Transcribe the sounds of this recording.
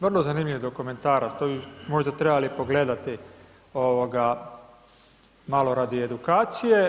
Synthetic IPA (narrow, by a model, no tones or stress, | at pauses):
ʋr̩lˠozaniːmlʲʎiʋid̪okome̞nt̪aːɾat̪obimo̞ʒd̪at̪ɾebalipo̞ɡle̞d̪at̪i | oʋoɡa | malo̞ɾad̪ie̞d̪ukaːt̪sije̞